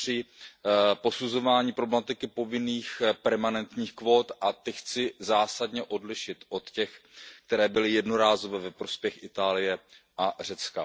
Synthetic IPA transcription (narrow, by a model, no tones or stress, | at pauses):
r̥ɪ | po̞suzo̞vaːɲiːpɾoblɛmat̪ɪkɪpo̞vɪniːxpɛɾmanɛnt̪ɲiːxkvo̞ːt̪ʔat̪ɪxt͡sɪzaːsadɲɛʔo̞dlɪʃɪt̪ʔo̞t̪cɛxkt̪ɛɾɛːbɪlɪjɛdnoɾaːzo̞vɛːvɛpɾo̞spjɛxʔɪt̪aːlɪjɛ | ʔar̝ɛt͡ska̰